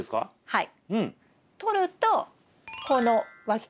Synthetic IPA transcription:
esɨ̥ka̰ | haḭ | ɯ̃ɴ | t̪oɾɯ̟t̪o | konoβakʲ

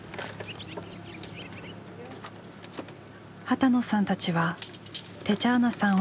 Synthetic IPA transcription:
hat̪ano̞sãnt̪at͡ɕiβa | t̪e̞t͡ɕaːnasã

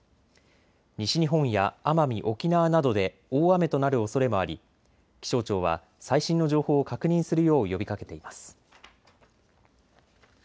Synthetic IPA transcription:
ɲiɕiɲ̟iɦõ̞ɰ̃jaamamʲiʔo̞kʲinaβanad̪o̞d̪e̞ | oːame̞t̪o̞naɾɯ̟o̞so̞ɾe̞mo̞aɾʲḭ | kʲi̥ɕo̞ːt͡ɕo̞ːβ̞a̰ | saiɕĩnːoʑo̞ːho̞ːkakɯ̟ɲ̟ĩɰ̃sɨɾɯ̟jo̞ːjo̞bʲikake̞̥t̪e̞imasɨ̥

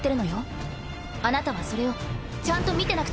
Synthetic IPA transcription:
t̪ːeɾɯ̟no̞jo̞ | anat̪aβaso̞ɾe̞o̞ | t͡ɕãnt̪o̞mʲit̪e̞nakɯ̟̥

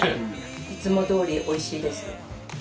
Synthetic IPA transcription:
it͡sɨmo̞d̪o̞ːɾʲiʔo̞iɕiːd̪e̞sɨ̥

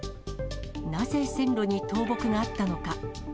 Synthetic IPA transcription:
naze̞sẽ̞nɾo̞ɲ̟it̪o̞ːbo̞kɯ̟ɡaːt̪ːano̞ka

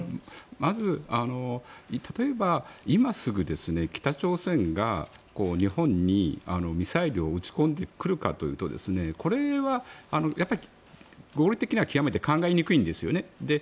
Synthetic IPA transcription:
mazɨano̞it̪ʰat̪o̞e̞baimasɨɡɯ̟d̪e̞sɨne̞kʲi̥t̪at͡ɕo̞ːsẽ̞ŋɡa | ko̞ːɲ̟ihõ̞ɲ̟ːia̰no̞mʲisaiɾʲio̞ɯt͡ɕi̥kõ̞nd̪e̞kɯ̟ɾɯ̟ka̰t̪o̞jɯ̟ːt̪o̞d̪e̞̰sɨne̞ko̞ɾe̞βaano̞japːaɾʲi | ɡo̞ːɾʲit̪e̞kʲiɲ̟iβakʲiɡame̞t̪e̞kãŋɡaeɲ̟ikɯ̟ĩnd̪e̞sɨjo̞̰ne̞d̪e̞

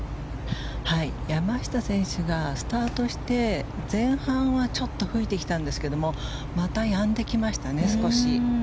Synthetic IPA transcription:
haijamaɕi̥t̪asẽ̞ɰ̃ɕɨɡasɨ̥t̪aːt̪o̞ɕi̥t̪e̞zẽ̞ɰ̃hãɰ̃βat͡ɕo̞t̪ːo̞ɸɯ̟it̪e̞kʲi̥t̪ãnd̪e̞sɨ̥ke̞d̪o̞mo̞ | mat̪ajãnd̪e̞kʲimaɕi̥t̪ane̞sɨ̥ko̞ɕi

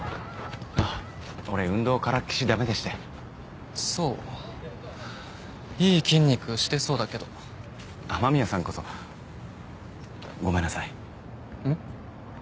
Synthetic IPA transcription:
a | o̞ɾeɯ̟̃nd̪o̞ːkaɾakʲi̥ɕid̪ame̞d̪eɕi̥t̪e | so̞ː | iːkʲĩɲʲːikɯ̟ɕi̥t̪e̞so̞ːd̪ake̞d̪o̞ | amamʲiasãŋko̞so̞ | ɡo̞me̞nːasai | ɯ̟̃

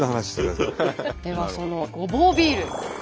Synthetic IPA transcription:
ohanaɕi̥t̪eɾad̪e̞βaso̞no̞ɡo̞boːbʲiːɾɯ̟

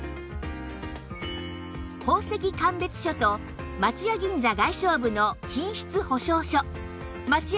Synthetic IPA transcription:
ho̞ːse̞kʲikãmbe̞t͡sɨ̥ɕo̞t̪o̞ | mat͡sɨjoɡʲĩnd͡zaɡaiɕo̞ːbɯ̟no̞çĩɰ̃ɕi̥t͡sɨho̞ɕo̞ːɕo | mat͡s

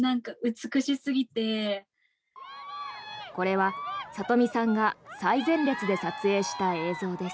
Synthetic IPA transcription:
nãŋkaɯ̟t͡sɨ̥kɯ̟ɕisɨɡʲit̪e̞ | ko̞ɾe̞βasat̪o̞mʲisãŋɡasaizẽ̞nɾʲe̞t͡sɨd̪e̞sat͡sɨe̞ːɕi̥t̪ae̞ːzo̞ːd̪e̞sɨ̥

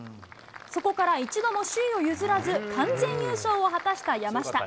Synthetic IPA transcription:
so̞ko̞kaɾait͡ɕid̪o̞mo̞ɕɨio̞jɯ̟zɨɾazɨkãnd͡zẽ̞ɲːʲɨːɕo̞ːoɦat̪aɕi̥t̪ajamaɕi̥t̪a

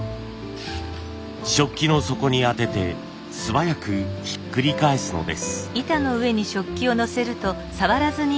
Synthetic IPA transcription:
ɕo̞kʲːino̞so̞ko̞ɲ̟iat̪e̞t̪e̞ | sɨβajakɯ̟çi̥kːɯ̟ɾʲikae̞sɨno̞̰d̪e̞̰sɨ̥it̪ano̞ɯ̟e̞ɲ̟iɕo̞kʲːio̞no̞se̞ɾɯ̟t̪o̞ | saβaɾazɨɲ̟i

